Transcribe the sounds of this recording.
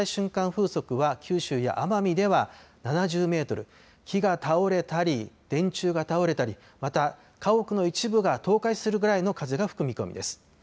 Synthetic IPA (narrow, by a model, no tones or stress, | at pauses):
iɕɨ̃ŋkãɰ̃ɸɯːso̞kɯ̟βakʲɨːɕɨːja̰ʔamamʲid̪e̞βananaʑɨːme̞ːt̪o̞ɾɯ̟̰ | kʲʰiɡat̪ʰao̞ɾe̞t̪aɾʲid̪̥ẽ̞ɲ̟t͡ɕɨːɡat̪ao̞ɾe̞t̪aɾʲi | mat̪a | kao̞kɯ̟no̞it͡ɕibɯ̟ɡat̪o̞ːkaisɨɾɯ̟ɡɯ̟ɾaino̞kazɨɡaɸɯ̟̥kɯ̟mʲiko̞̰mʲḭd̪e̞sɨ̥